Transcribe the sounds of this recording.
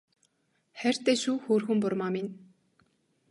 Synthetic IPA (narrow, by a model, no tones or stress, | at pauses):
χær̥ʲt̪æːʃuːxoːrxɘ̆mpʊrmaːmɪn